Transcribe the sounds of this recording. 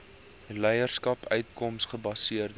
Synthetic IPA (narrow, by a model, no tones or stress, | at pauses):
lɛjərskɐpœɥtkɔmsχəbɐsiərd